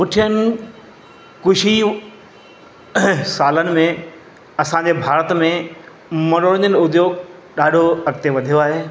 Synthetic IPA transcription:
pʊʈʰijənɪ̆ | kʊʃi | saːlənɪ̆mẽ | ɐsãːɲ̆d͡ʑebʱaːɾət̪mẽ | mɐnoɽəɲənʊd̪joːɡɗaːɖʱoɐk̚t̪eʋɐd̪ʱijoaːɦeː

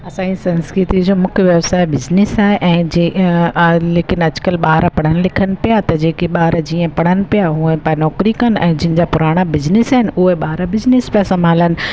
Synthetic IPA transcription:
ɐsãːisɐ̃nskɾɪt̪id͡ʑoːmʊkʰjʋjɐʋsaːebɪd͡ʑnɪsaːɦeʔɛ̃ːd͡ʑe | leːkɪnɐd͡ʑkəlɓaːɦɾapɐɽ̤əñɪ̆lɪkʰənɪ̆pijat̪ɐd͡ʑeːkeɓaːɾd͡ʑiːə̃pɐɽ̤̃ənɪ̆pijaɦuẽpanɔːkɾikɐnɛ̰̃ːd͡ʑɪɦɪ̃̆d͡ʑapʊɾaːɽ̃abɪd͡ʑnɪsaːɦɪnɪ̆ʊɦeɓaːɦɾabɪd͡ʑnɪspasɐmaːlənɪ̆

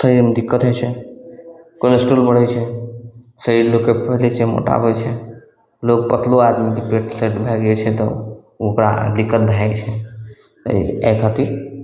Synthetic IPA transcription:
səɾiɾmd̪ɪkːət̪ɦɛt͡ʃʰɛ | konsʈuːlbəɽ̤ɛt͡ʃʰɛ | səɾiɾlokːepʰəɦlet͡ʃʰɛmo̰ʈa̰bʱot͡ʃʰɛ | lok̚pət̪ʰload̪mikepeʈsəʈbʱɛɡet͡ʃʰɛt̪ɔ | ʊkɾa̰d̪ikːət̪̚bʱajt͡ʃʰɛ̰ | ɛkʰat̪iɾ

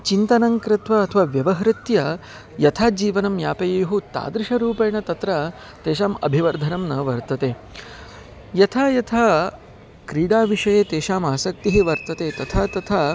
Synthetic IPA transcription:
t͡ʃint̪ɐnɐŋkɾɪt̪ʋɐɐt̪ʰɐʋaʋjɐʋɐɦɾɪt̪jɐ | jɐt̪ʰaːd͡ʒiːʋɐnɐmjaːpɐjɐjuɦut̪a̰ːd̪ɾɪʂɐɾuːpɐjɳɐt̪ɐt̪ɾɐ | t̪eːʃaːmɐ̰bʱiʋɐɾd̪ʱɐnɐmnɐʋɐɾt̪ɐt̪eː | jɐt̪ʰaːjɐt̪ʰaː | kɾiːɽaːʋiʂɐjeːt̪eːʃaːmaːsɐk̚t̪iɦiʋɐɾt̪ɐt̪eːt̪ɐt̪ʰaːt̪ɐt̪ʰaː

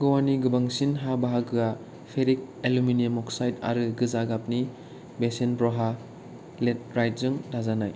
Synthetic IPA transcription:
ɡɔwaniɡɯbaŋsinɦabaɦaɡɯa | pʰeɾik̚ | eluminiemɔksajta̰ɾɯɡɯzaɡap̚ni | besenpɾɔɦa | let̚ɾajt̚zɯŋdazanaj

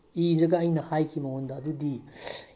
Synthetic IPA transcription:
iɾɐɡɐːjnɐhajkʰimɐondɐɐdudi

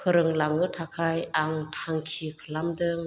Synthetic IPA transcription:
kʰɯɾɯŋlaŋɯtʰakʰajaŋtʰaŋkʰikʰəlamdɯŋ

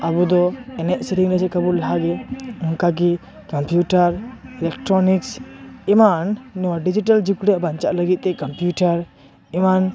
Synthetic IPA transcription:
abud̪ɔɛnɛʔ̚sitiŋdasɛkabuɾlaɦaɡɛuŋkak̬i | kɔmpʰjuʈaɾilɛk̚ʈɾɔniksimanːɔwaɖid͡ʒiʈald͡ʒukuɽɛabant͡ʃaʔləɡit̪̚t̪ɛkɔmpjuʈaɾ | iman

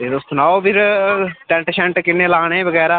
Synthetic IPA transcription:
eɾʊsʊnaːobɪɾʈɛ̃ɳʈʃɛ̃ɳʈkɪneːlaːɽẽːʋəɡɛːɾaː

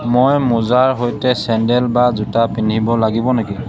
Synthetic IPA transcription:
mojmuzaɹɦojtɛsɛndɛlbazutapinʱibɔlaɡibɔneki

